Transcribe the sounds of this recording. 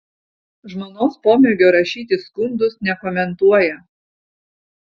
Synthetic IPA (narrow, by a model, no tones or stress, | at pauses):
ʒmoːnoːspoːmʲɛɡʲoːɾɐʃʲiːt̪ʲɪskʊnd̪ʊsnʲɛkoːmʲɛnt̪uɔjɛ